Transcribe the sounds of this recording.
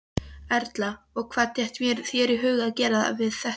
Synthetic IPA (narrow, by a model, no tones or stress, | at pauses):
ɛɾt̪la | ɔɣkʰv̥aːðt̪ʰjɛht̪mjɛɾθjɛɾɪɦœːɥɣaðcɛːɾaða̰vɪðθɛh